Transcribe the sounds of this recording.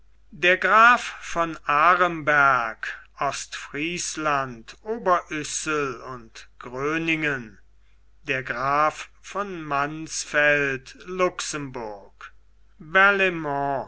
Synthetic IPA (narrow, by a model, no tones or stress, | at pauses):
deːɐɡʁaːfːɔnaːʁəmbæɐkʔɔstfʁiːslantʔoːbɐʔʏsəlʊntɡ̥ʁøːnɪŋən | d̥eːɐɡʁaːfːɔnmansfɛltlʊksəmbʊɐk | vɛɐlemɔ̃